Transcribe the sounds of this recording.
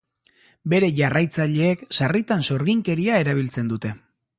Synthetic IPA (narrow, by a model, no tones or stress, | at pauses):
be̞ɾe̞ʝarajt͡saʎe̞ːksarit̪anso̞ɾɣiŋke̞ɾiae̞ɾaβ̞ilt͡se̞nd̪ut̪e̞